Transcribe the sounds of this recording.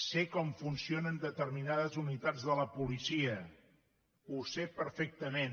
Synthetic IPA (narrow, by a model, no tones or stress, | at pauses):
sekɔɱfunsionənd̪ət̪əɾminað̞əzunit̪ad͡zðələpulisiə | usepəɾfek̚t̪əmen